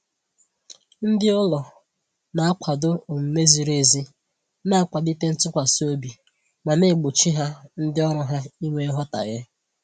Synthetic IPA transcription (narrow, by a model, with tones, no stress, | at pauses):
n̩˦dɪ˦ɔ˦lɔ˨ | na˨a˦kʰʷa˨dʊ˦o˨m̩˨me˦zi˨ɾe˦˨zi˦ | na˦a˦kʷa˨di˦te˦n̩˦tʊ˦kʷa˨so˦bi˨ | ma˨ne˦˨ɡ͡bo˨t͡ʃi˦ɦa˦n̩˦dɪ˦ɔ˦ɾɔ˨ɦa˦i˦ŋʷe˦ɦɔ˦ta̰˨ɣɪ˦